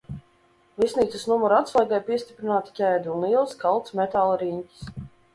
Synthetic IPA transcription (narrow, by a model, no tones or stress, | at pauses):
lˠisniːt̪sɨsnumɔɾat̪slˠajɡajpiɛst̪ʲi̥pɾinaːt̪i̥cʲæjd̪uuniɛlˠskalˠt̪smɛt̪aːlˠɾiɲcʲi̥s